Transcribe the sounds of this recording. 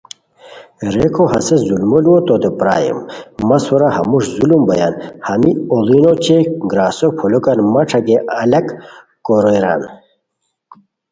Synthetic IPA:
ɾekʰoɦɐsezulmolwot̪od̪epɾa̰ːjḭmmɐsuɾaɦɐ̰muʂzulumbɐja̰nhɐmiolinot͡ɕeɡɾaːsopʰolokanmɐʈ͡ʂʰɐɡeʔɐlɐk | koɾeɾa̰n

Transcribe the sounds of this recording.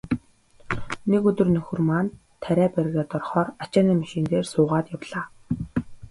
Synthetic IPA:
nekɵt̪ɵ̆rnɵxɵ̆rmaːn | t̪ʰːæɾʲæːpæɾɣʲaːt̪ɔrχɔːrat͡ɕaːniːmaʃĭːnt̪eːrsʊːʁaːt̪jawɮ̥aː

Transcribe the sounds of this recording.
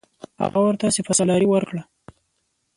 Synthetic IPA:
ha̰ɣawəɾt̪ɑsefasɑlɑɾiwəɾkɽa

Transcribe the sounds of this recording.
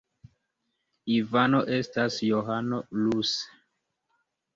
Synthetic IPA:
ivano̞ʔe̞stasjoɦanolus

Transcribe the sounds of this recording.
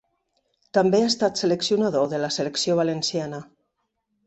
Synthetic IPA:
t̪ambeaest̪at̪seleksjunaðoðelaseleksjoβ̞alensjana

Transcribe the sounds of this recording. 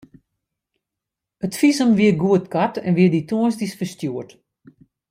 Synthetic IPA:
ətfizəmʋiərɡuətkatɛ̰nʋiərdituənsdisfəstjuərt

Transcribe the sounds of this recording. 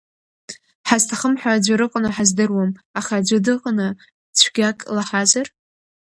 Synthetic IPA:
ħaztʰaχəmħʷaːd͡ʒʷɪɾɨqʼnɨħazdɨrwamaχad͡ʒʷɪdɨqʼnɨ | t͡ɕʷʰɡ̥ʲakʼlaħazar

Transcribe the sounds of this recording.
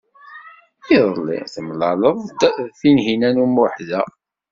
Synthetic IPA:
iðˤlːḭθəmlɑləðˤθinɦinænumʊħðæ

